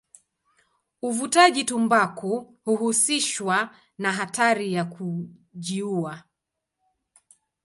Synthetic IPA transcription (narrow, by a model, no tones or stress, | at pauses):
uvutaʄitumbaku | huhusiʃwa | naɦataɾijakʰu | ʄiua